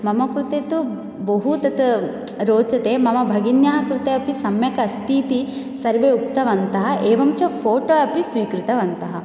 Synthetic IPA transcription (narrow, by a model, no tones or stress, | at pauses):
mɐmɐkɾut̪et̪u | bɐɦut̪ɐt̪ | ɾoːt͡ʃɐt̪eːmɐmɐbʱɐɡinjaːɦɐkɾut̪eːɐpisɐmjɐkɐst̪iːt̪i | sɐɾʋeːukt̪ɐʋɐnt̪ɐɦɐʔeːʋɐmt͡ʃɐpʰoːʈoɐpisʋiːkɾɪt̪ɐʋɐnt̪ɐɦɐ